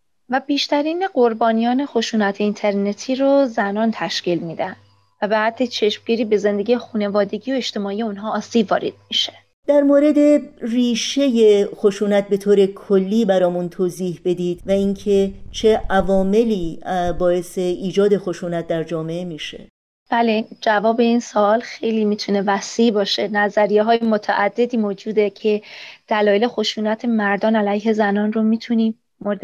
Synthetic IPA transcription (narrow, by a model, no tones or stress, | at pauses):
væbiːʃt̪ʰæɾiːneɡo̞ɾbɒːnijɒːne̞xoʃuːnæt̪ʰeint̪ʰe̞ɾne̞t̪ʰiːɾozænɒːnt̪ʰæʃciːlmiːd̪æn | væbehæd̪ʰːet͡ʃʰe̞ʃmɡiɾiːbe̞ze̞nd̪eɡijexune̞vɒːd̪e̞ɟiːo̞eʃt̪e̞mɒːije̞unɦɒːsiːbvɒ̰ːɾḛd̪̥̚miʃe̥ | d̪̥æɾmoːɾe̞d̪e̞riːʃe̞je̞xo̞ʃuːnæt̪̚be̞t̪ʰoːɾe̞kʰolːiːbæɾɒːmunt̪ʰoːziːhbe̞d̪iːd̪̥væiŋcʰe̞t͡ʃʰe̞ʔævɒːme̞liːbɒːe̞seʔiːd͡ʒɒːd̪e̞xo̞ʃuːnæt̪̚ʰd̪æɾd͡ʒɒːme̞ʔemiːʃḛ | b̥æled͡ʒævɒːbe̞insoɒːlxejliːmiːt̪ʰune̞væsiːʔbɒːʃe̞næzæɾijeɦɒːjemot̪ʰæ̰ʔæd̪̥ːe̞d̪iːmoːd͡ʒuːd̪e̞cʰe̞d̪̥ælɒːjele̞xoʃuːnæt̪ʰe̞mæɾd̪ɒːnælæjɦe̞zænɒːnromiːt̪ʰuniː | moɾed̪